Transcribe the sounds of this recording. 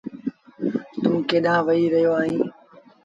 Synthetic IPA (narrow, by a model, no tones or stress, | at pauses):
t̪ũːkeːɗãːʋəiːɾəɦijoːaːɦĩː